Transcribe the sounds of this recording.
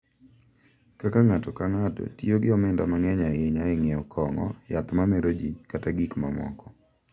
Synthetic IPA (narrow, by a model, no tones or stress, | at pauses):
kakaŋatɔkaŋatɔ̰tioɡɪɔmɪndamaŋɛɲaeɲaɪŋeɔkʰɔŋɔ̰jat̪mamɛɾod͡ʒikataɡikmamɔ̰kɔ